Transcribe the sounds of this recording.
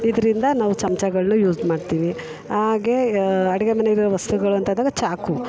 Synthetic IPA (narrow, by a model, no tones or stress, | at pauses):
id̪ɐɾind̪ɐnaːʋut͡ʃɐmt͡ʃɐɡɐɭnujuːd͡ʒmaːɖt̪iːʋi | haaːɡe̞ɐɽɛɡemɐneɡiɾɾɐʋɐst̪uɡɐɭuɐnt̪ʰɐnd̪aːɡɐt͡ʃaːku